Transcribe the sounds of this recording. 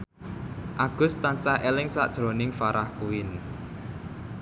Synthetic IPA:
ʔaɡ̥ʊ̤st̪aɲt͡ʃaʔelɪŋsa̰ʔd̥ʒ̥ɾo̤nɪŋfaɾahkuwɪn

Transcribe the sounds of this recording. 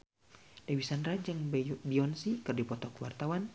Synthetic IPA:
d̥awisanrad͡ʒɨŋbiɔnsikɨrdipɔt̪ɔkwart̪awan

